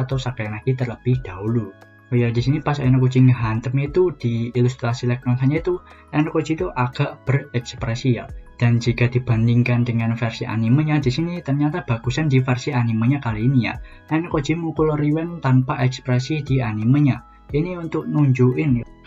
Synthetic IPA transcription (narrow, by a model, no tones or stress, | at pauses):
at̪awsakajanaɡ̥it̪ərləb̥ɪhd̪̥a̤ulu | ojad̥isinipasaɛnku̥iŋəɦant̪əmit̪ud̪̥iilust̪ɾasilɛk̚nɔnsaɲait̪u | ɛnkod̥d͡ʒ̥it̪uʔaɡ̥a̤ʔb̥ərɛkspɾɛsija̰d̥a̤nd͡ʒi̤kad̪̥i̤b̥a̤ndiŋkandəŋanfɛrsiʔa̰niməɲad̥isinit̪ərɲat̪ab̥a̤ɡ̥ṳsandifɛrsianimaɲakaliːnija̰ | ɛnko̥d͡ʒ̥i̤muŋkulɾiwɛnt̪anpaʔɛkspɾɛsid̥ianiməɲa | iniunt̪ʊʔ̚nuɲd͡ʒuʔɪn